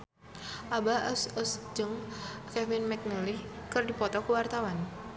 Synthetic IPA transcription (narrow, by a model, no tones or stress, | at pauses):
ʔabaəsəsd͡ʒɨŋkɛfɪnmɛk̚nəlikərdipɔt̪ɔkəwart̪awan